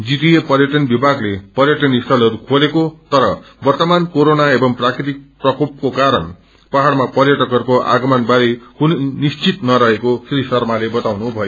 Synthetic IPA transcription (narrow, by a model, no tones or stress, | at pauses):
d͡zit̪ijepʌrjʌʈʌnbibʱaɡlepʌrjʌʈʌnist̪ʰʌlʌɾukʰolekot̪ʌɾʌ | bʌrt̪ʌmankoɾonaebʌŋprakɾit̪ik̚prʌkop̚kokaɾʌn | paɦaɽmapʌrjʌʈʌkʌrkoʔa̰ɡʌmʌnbaɾikuninist͡sit̪nʌɾʌɦekosrisʌrmalebʌt̪awnubʱʌjo